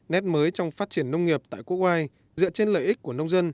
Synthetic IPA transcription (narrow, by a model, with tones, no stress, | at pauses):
nɛ˦˥t̚məː˨˦jt͡ɕɔ˧wŋ͡mfaː˦˥t̚t͡ɕi˧˩ənːə˧wŋ͡mŋi˨˩əp̚t̪a̰ː˧˨jku˦˥ək̚ʔwaː˧j | zɨ̰˧˨t͡ɕe˧nlə̰ː˧˨jʔi˦˥k̚ku˧˩ənə˧wŋ͡mzə˧n